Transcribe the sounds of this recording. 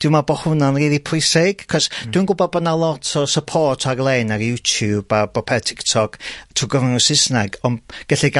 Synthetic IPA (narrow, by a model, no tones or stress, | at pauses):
d̥ɪwmabɔhʊnɔnriːðipʰʊɨsɪɡ̥kʰɔsd̥winɡʊbɔd̚bɔdnalˠɔtʰɔsəpʰɔrtʰaɡlˠejnaɾjutʰjubabɔpʰɛtʰɪktʰɔɡ̥tʰuːɡəvanɔsɪsnaɡɔnɡ̥əɬiɡa